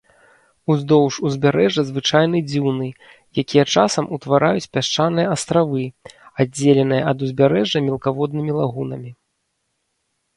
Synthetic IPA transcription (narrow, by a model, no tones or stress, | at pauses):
uzd̪ɔwʂuzʲbʲaɾɛʐɐzvɨt͡ʂajn̪ɨd͡zʲiwnɨ | jakʲijɛt͡ʂasɐmut̪vaɾʔajut͡sʲpʲaʂt͡ʂanɨjɐast̪ɾavɨad͡zʲːelʲɛnɨjɐɐd̪uzʲbʲaɾɛʐɐmʲɛlˠkavɔd̪̚nɨmʲilˠaɣunɐmʲi